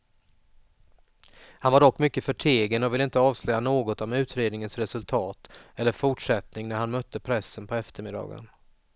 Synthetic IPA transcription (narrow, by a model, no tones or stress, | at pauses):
hanvaɖɔkːmʏkːəfœʈʰeːɡənɔvɪləɪnt̪əɑːvslœːjanoːɡɔt̪ɔmʉ̟ːt̪ɾeːd̪nɪŋənsɾɛsɵlt̪ʰɑːt̪ɛlːəɾfʊʈʂɛt̪nɪŋnæɾhanmœt̪ʰːəpʰɾɛsːənpʰɔɛft̪əɾmɪd̪ɑ̰ːɡə̰n